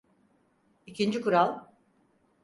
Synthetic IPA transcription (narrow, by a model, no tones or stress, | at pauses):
icʰind͡ʒikuɾalˠ